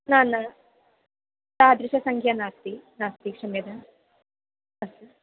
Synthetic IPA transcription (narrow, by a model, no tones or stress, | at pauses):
naːnɐ | t̪aːɐd̪ɾiʃɐsɐŋkʰjɐnaːst̪inaːst̪ikʂɐmjɐd̪ɐn | ɐsi